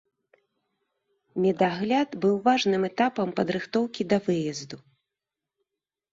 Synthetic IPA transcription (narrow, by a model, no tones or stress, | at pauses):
mʲɛd̪aɣlʲad̪bɨwvaʐnɨmɛt̪apɐmpɐd̪ɾɨxt̪ɔwkʲid̪ɐvɨjɐzd̪u